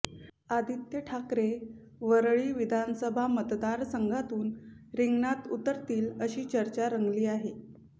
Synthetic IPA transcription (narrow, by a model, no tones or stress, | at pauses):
ad̪ʱit̪jəʈʰakɾe | ʋəɾɭiːʋid̪ʱansəbʱamət̪d̪aɾsəŋɡʱat̪uːnɾiŋɡnat̪ut̪əɾt̪iːləɕiːt͡ɕəɾt͡ɕaɾəŋɡliːaɦe